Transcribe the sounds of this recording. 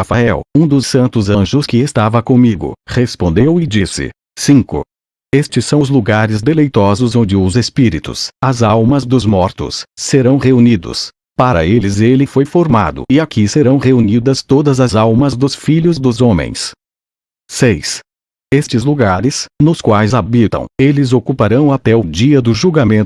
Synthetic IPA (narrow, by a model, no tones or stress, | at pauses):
afaɛwũd̪ʊssɐ̃nt̪ʊzɐ̃ʒʊskɪest̪avɐkõmiɡʊ̰hespõnd̪ewɪd͡ʒisɪ̰ | sĩkʊ̰ | est͡ʃɪssɐ̃w̃zluɡaɾɪzd̪elejt̪ɔzʊzõd͡ʒɪʊzespiɾit̪ʊ̰sɐzawmɐzd̪ʊzmɔɾt̪ʊ̰sːeɾɐ̃w̃ʁeunid̪ʊ̰s | paɾɐ̰elɪzelɪfojfoɾma̰d̪ʊ̰ɪakiseɾɐ̃w̃ʁeunid̪ɐst̪od̪ɐzɐzawmɐzd̪ʊsfiʎʊzd̪ʊzõmḛ̃j̃s | sejs | est͡ʃɪzluɡaɾɪsnʊskwajzabit̪ɐ̰̃w̃elɪzokupaɾɐ̃w̃at̪ɛʊd͡ʒiɐd̪ʊʒuɡamẽnt̪ʊ